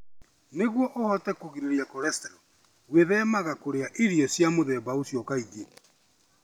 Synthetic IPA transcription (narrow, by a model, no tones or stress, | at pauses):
neɣwɔʔohɔtɛkoɣiɾeɾiakɔɾɛstɛɾɔ | weðɛmaɣakoɾeaʔiɾiɔsjamoðɛβaosjɔkaiɣe